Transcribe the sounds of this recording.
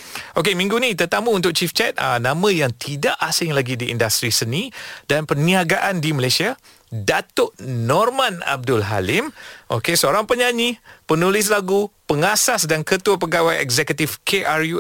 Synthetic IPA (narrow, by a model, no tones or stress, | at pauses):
ʔokemĩŋɡunĩt̪ərt̪amũːnt̪ʊk̚t͡ʃift͡ʃɛt̪̚ə̰nãmə̃jaŋt̪ʰidaʔasɪŋlaɡidiḭndast̪ɾisənĩdanpərniaɡaʔandiməlasia | dat̪ʊʔnɔrmãna̰b̚dʊlɦa̰lɪmʔo̰kesəoɾaŋpəɲãɲipənulɪs̬laɡupəŋasasdankət̪uap̬əɡawajɛ̰kzɛkət̪ifkʰeʔarju